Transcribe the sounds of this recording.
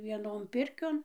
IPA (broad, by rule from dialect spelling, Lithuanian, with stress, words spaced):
ʋʲiɛˈnoːn ˈpʲɪrʲkʲoːn